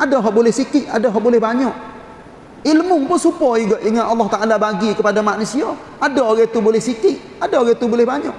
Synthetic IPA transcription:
adaɦɔʔbolɛhsikiʔadaɦɔʔbolɛhbaɲɔʔ | ilmuŋpʊsupɔiɡaʔiŋaalːaht̪aʔalabaɡikəpadamaʔnusia | adaɡet̪ubolɛhsikiʔ | adaɡet̪ubolɛhbaɲɔʔ

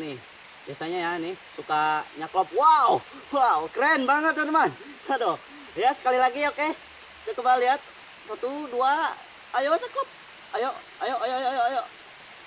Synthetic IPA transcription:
nɪh | biasaɲajanɪhsukaɲaklɔp̚waw | wawkɾɛnbaŋət̪̚dɔnəman | tadɔ | jasə̥kalilaɡioke | d͡ʒəkəbaliat̪̚ | sat̪uduaː | jot͡ʃaklɔp̚ | ajoʔ | ajoʔajoajoʔajoʔajoʔ

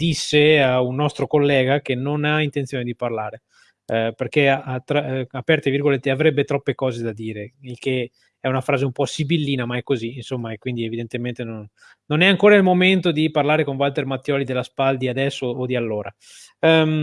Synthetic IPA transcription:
d̪isːeaunːɔst̪ɾokolːɛːɡakenonaint̪ent̪sjoːned̪iparlaːɾe | perkeaʔat̪ːɾaapɛrt̪evirɡolet̪ːeavɾɛbːet̪ɾɔpːekɔːzed̪ad̪iːɾeilke | ɛunafɾaːzeumpɔsibilːiːnamaɛkːoziːnsomːaekwind̪ievid̪ent̪ement̪enonː | onɛaŋkoːɾailmoment̪od̪iparlaːɾekoɱvalt̪ermat̪ːjɔːlid̪elːaspald̪iad̪ɛsːoːd̪ialːoːɾa | m

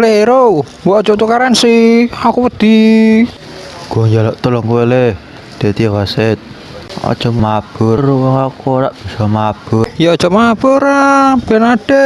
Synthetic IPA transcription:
leɾo | bɔʔɔ̥d͡ʒɔt̪ukaɾansiakuwəd̪̥i | ɡ̥ɔɲd͡ʒalɔʔt̪əlɔŋkuele | d̪̥e̤t̪iraset̪̚ | ɔ̰d̥ʒ̥ɔmab̥ʊɾwɔŋakuɾaʔb̥isɔmab̥ʊjaɔd̥ʒ̥ɔmab̥ʊɾab̥ɛnaɖ̥ɛ

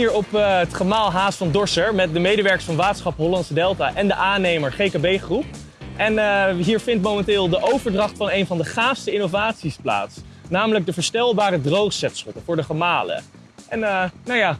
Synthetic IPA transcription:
iːɹɔpətχəmaːlˠɦaːsfɑndɔɹsəɹmɛt̚dəmejdəʋɛɹkə̥sfɑnʋaːtəsχɑpɦɔlɑntsədɛlˠtaʔɛndəʔaːnejməɹχejkabejχrup̚ | ʔɛnɦiːɹvɪntmowmɛntɪːlˠdəʔowvəɹdrɑχtfɑnejnvɑndəχaːfstəɪnovaːtsispla̰ːts | naːmələɡ̚dəvəːɹstɛlˠbaːɾədrowχsɛtsχɔtəvʊːɹdəχəmaːlə̰ | ʔɛnnawjaː

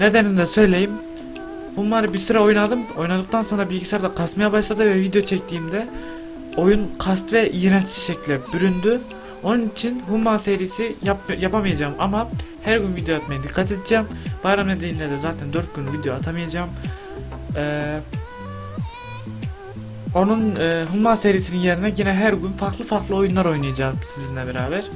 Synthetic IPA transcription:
ned̪ænind̪ɛsø̞jlʲe̞jim | humːaɾɯbiɾsyɾao̞junad̪ɯmo̞junad̪ɯk̚t̪ʰanso̞nɾabilʲɟisaɾd̪akʰast̪majabaʃlˠad̪ɯvɛvid̪ejo̞t͡ʃʰɛc̚t̪ʰiːmd̪ɛ | o̞junkʰast̪vɛʔiːɾant͡ʃʃɛclʲd̪ɛbyɾynd̪y | o̞nunit͡ʃʰinɦumːase̞ɾijːsijapjapʰamijad͡ʒaːmʔamahæɾɟynvid̪ejoat̪majad̪ikʰːat̪ʰe̞d̪id͡ʒaːmb̥ajɾamned̪ejimlʲɛd̪ɛzaːt̪ʰænd̪øɾt̪̚ɟynyvid̪ejoat̪ʰamijad͡ʒaːm | ɛː | o̞nunːɦumːaːse̞ɾiːsininje̞ɾinɛɟinɛɦæɾɟynfaɾklˠɯfaɾklˠɯo̞junlˠaɾo̞jnajad͡ʒaːmsizinʲɛbeɾaːbæɾ̥

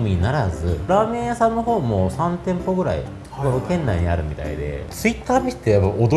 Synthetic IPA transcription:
mʲiɲinaɾazɨɾaːmẽɰ̃asãnːoɦo̞ːmosãnt̪ẽ̞mpo̞ɡɯ̟ɾa̰ḭ | ɡokẽ̞nːaiɲ̟iaɾɯ̟mʲit̪a̰ḭd̪e̞̰t͡sɨit̪ːaːmʲi̥t̪ːejapːaod̪o

